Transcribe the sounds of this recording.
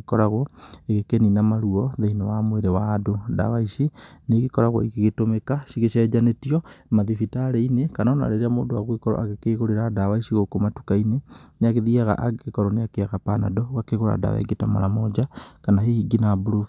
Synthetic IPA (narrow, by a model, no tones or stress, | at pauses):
kɔɾaɣɔeɣekeninamaɾuɔðeinewamweɾewaːdoda̰waisineɣekɔɾaɣɔ̰ikeɣetomekasiɣeʃɛd͡ʒanetiɔmaðifitaɾeinekanaɔna̰ɾeɾeamoːdowaɣwekɔɾɔ̰ʔaɣekeɣoɾeɾadawaisiɣokomatukaineneaɣeðiaɣa̰ʔaɡeɣekɔɾɔneakeaɣapana̰dɔɣakeɣoɾa̰da̰wa̰ḛɡetama̰ɾamɔd͡ʒakanaɦehiɡinabuɾof